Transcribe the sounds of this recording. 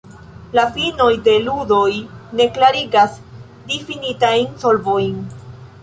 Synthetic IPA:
lafino̞jde̞ludo̞jne̞klaɾiɡas | difinitajnsolvo̞jn

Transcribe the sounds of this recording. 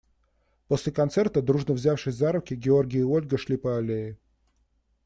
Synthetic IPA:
po̞sʲlʲɪkɐnt̪sɛrt̪əd̪ɾuʐnəvzʲafʂɨsʲzaɾʊkʲɪɡʲɪo̞rɡʲɪjəo̞lʲɡəʂlʲipəɐlʲeɪ

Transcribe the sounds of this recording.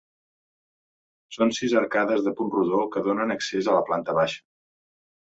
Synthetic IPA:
sonsizəɾkaðəzðəpunruðɔlˠkəðonənəksezələplant̪əβaʃə̥

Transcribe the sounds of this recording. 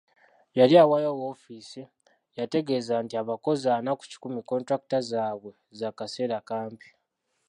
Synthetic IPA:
jaliawajowoːfiːsi | jate̞ɡe̞ːzantiaβako̞zanaku̥ci̥kumiko̞ntɾak̚utazaːβwe̞ | zakase̞ːɾakaːmpi̥

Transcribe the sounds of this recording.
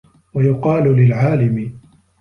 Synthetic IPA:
wajʊqɑːlʊlɪlʕaːlɪmɪ

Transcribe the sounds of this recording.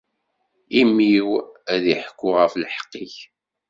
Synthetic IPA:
imiwæðiħəkʷːʊʁəfləħə̥qːiç

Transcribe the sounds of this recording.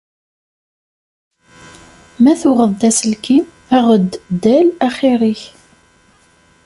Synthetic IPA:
mæθʊʁəðˤd̪æsəlki | æʁəd̪ːd̪ːælæχiɾiç

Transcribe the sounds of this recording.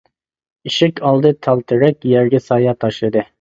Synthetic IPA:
iʃɪkʲʰɑlˠd̪ɯt̪ʰɑlˠt̪ʰɯɾɛkʲjɛɾɡʲɛsɑːjɑt̪ʰɑʃlˠɨd̪ɯ

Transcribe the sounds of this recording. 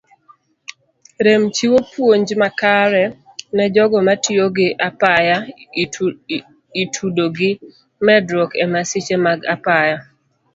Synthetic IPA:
ɾemt͡ʃiwopwoɲd͡ʒmakaɾɛ | nɛd͡ʒɔɡɔmatɪoɡɪʔapaja | itʰudoɡɪ | mɛdɾɔkɛmasɪt͡ʃemaɡa̰paja

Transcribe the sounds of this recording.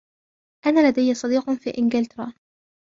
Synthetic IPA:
ʔanaːlad̪ajːsˤɑd̪iːqfḭːʔɪnɡɪlt̪ɾˤɑː

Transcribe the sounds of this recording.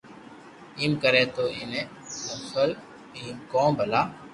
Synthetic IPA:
imkəɾẽːt̪oːɪneː | əsəl | iːmkõːbʱəlaː

